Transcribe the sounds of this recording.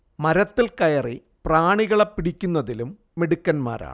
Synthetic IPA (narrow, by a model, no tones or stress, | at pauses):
mɐɾɐt̪ːilkɐjɐri | praːɳiɣɐɭepːiɽikʲːunːɐðilumː | eɽikːɐnma̰ːɾʔa̰ːɳɨ